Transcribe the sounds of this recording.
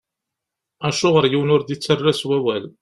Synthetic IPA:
æʃʊʁəɾjiwnʊɾd̪it͡sːərːæswæwæl

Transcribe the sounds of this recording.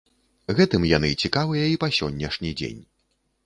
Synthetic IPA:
ɣɛt̪ɨmjan̪ɨt͡sʲikavɨjɐipasʲɔnʲːɛʂnʲid͡zʲḛnʲ

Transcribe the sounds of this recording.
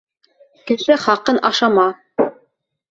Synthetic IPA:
kɘ̆ʃɘχɑqɤnʔɑʃɑmɑ

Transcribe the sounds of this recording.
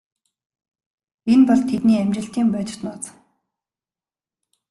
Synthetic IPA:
enpɔɮt̪ʰet̪niːamt͡ɕɪ̆ɬt̪iːmpœːt͡ɕɪ̥̆t̪nɔːt͡s

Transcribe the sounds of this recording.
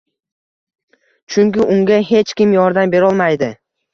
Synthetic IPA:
t͡ʃʰʊŋkʲɪʔʊŋɡʲaɦe̞t͡ʃkʲɪmjɒɾd̪ambe̞ɾɒlˠmajd̪ɪ

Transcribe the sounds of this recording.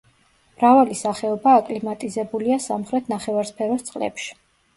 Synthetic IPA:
mɾavalisaχɛɔbaːkʼlimat̪ʼizɛbuliasa̰mχɾɛt̪ʰnaχɛvaɾspʰɛɾɔst̪sʼqʼlɛ̰pʃi̥

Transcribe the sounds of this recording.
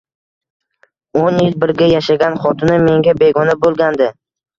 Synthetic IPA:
onjɪlbɪɾɡʲajaʃaɡʲanχɒt̪ʰɪnɪme̞ŋɡʲabe̞ɡɒnabolˠɡʲand̪ɪ

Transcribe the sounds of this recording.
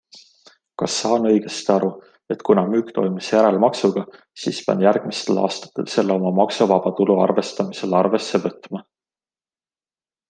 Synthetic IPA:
kɑsːɑːnɤ̞jɡ̥e̞st̪iɑɾu | e̞t̪kunɑmyːkt̪o̞̰jmisjæɾelmɑksuɡ̥ɑ | siːspɑ̰njærɡ̥mist̪e̞lɑ̰ːst̪ɑ̥t̪ːˑe̞̰lse̞lːo̞mɑmɑksuvɑb̥ɑt̪uluɑ̰rve̞st̪ɑmise̞lɑrve̞se̞vɤ̞t̪ːmɑ

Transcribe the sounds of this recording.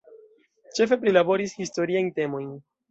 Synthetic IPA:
t͡ʃe̞fe̞p̬ɾilabo̞ɾishisto̞ɾiajnte̞mo̞jn

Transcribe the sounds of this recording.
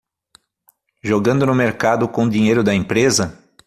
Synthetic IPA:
ʒoɡɐ̃nd̪ʊnʊmeɾkad̪ʊkõd̪ĩɲejɾʊd̪ɐẽmpɾezɐ

